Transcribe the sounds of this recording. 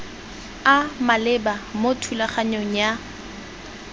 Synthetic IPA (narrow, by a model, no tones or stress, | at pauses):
amalɪbamotʰulaχaɲoŋ̩ja